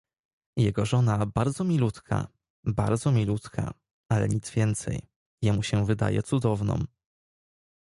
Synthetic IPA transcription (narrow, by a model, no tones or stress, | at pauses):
jɛɡɔʐɔnabaɾd̪zɔmʲilut̪kʰa̰ | baɾd̪zɔmʲilut̪kʰa̰ | alɛ̰ɲit̪zvʲjɛnt̪sɛ̰j | jɛmuɕɛvɘd̪a̰jɛ̰t̪sud̪ɔvnɔ̰m